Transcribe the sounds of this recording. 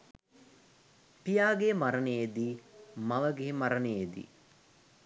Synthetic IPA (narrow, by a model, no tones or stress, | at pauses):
pijaːɡemaɾənejed̪imaʋəɡeːmaɾənejed̪ḭ